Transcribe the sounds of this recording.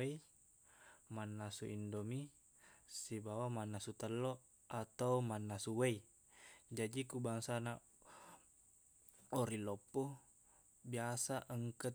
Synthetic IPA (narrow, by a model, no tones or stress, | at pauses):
ei | manːasuʔindomi | sibawamanːasut̪əlːo | at̪aumanːasuwei | d͡ʒadikubaŋsana | oɾilopːo | biasaʔəŋkə